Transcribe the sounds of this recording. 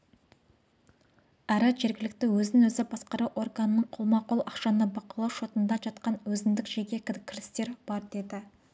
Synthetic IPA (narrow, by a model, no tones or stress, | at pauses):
æɾɪʒe̞ɾɡʲɪlɪk̚t̪ɪwɵznɪŋwɵzɪbɑsqɑɾɑwʔo̞rɡanənəɴqʰolˠmɑqolˠɑ̰qʃɑnəbɑqɑlˠɑwʃo̞t̪ənd̪ɑʒɑt̪qɑnwɵzɪnd̪ɪkʒeɡʲe̞kʲɪkʲʰɪɾɪst̪e̞ɾb̥ɑɾd̪e̞d̪ɪ